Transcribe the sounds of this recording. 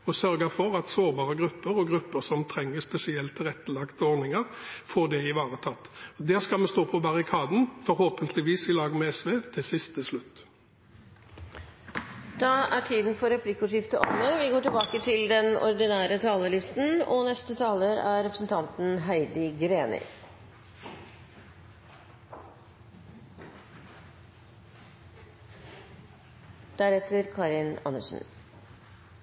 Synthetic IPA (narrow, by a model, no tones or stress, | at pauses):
ɔsœɾɡəfɔɾɑt̪soːʁbɑːʁəɡɾʉpːəɾɔɡɾʁʉpːəsɔmt̪ʰɾɛŋːəspɛsɪɛlt̪ʰːɪlɛt̪ːəlɑkt̪əɔɾnɪŋəɾfoːɖɛɪʋɑːʁət̪ʰɑt̪ːɔd̪æːskɑlmɛst̪oːpʰɔbɑʁɪkʰɑːd̪n̩fɔɾhoːpənt̪ʰlɪʋiːsɪlɑːɡmɛɛsʋeːt̪ʰɪsɪst̪əslʉt̪ː | d̪̥ɑæʈʰiːd̪n̩fɔɾɛpʰlɪkːʊːʂɪft̪əʔɔməʋɪɡoːʈɪlbɑːkət̪ʰɪld̪ɛnɔ̰ɾd̪ɪnæːɾət̪ʰɑːləlɪst̪n̩ɔnɛst̪ət̪ʰɑːləɾæ̰ɾɛpɾəsn̩t̪ʰɑnt̪n̩ɦæɪd̪ɪɡɾeːnɪ̰ | d̪̥æɾɛt̪əɾkʰɑɾɪnɑ̰nə̰ʂn̩